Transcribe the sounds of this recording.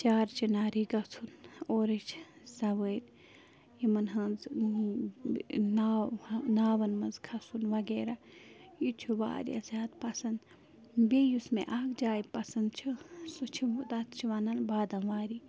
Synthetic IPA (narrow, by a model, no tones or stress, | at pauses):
t͡ʃaːɾt͡ʃʰinaːɾiɡɐt͡sʰunoːɾit͡ʃʰ | sɐʋən | jimɐnɦɐnz | nanaːʋɐnmɐnzkʰɐsunʋɐɡeːɾa | jut͡ʃʰuʋa̰ːɾḭɐ̰zʲaːd̪̚pɐsɐnd̪ | beːjusmḛ̃ʔaːkd͡ʒaːipɐsɐnd̪t͡ʃʰisut͡ʃʰid̪ɐt̪t͡ʃʰiʋɐnɐlbaːd̪ɐnʋaːɾi